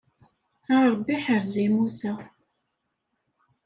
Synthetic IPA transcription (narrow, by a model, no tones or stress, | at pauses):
aɾˤbːiħəɾzimusæ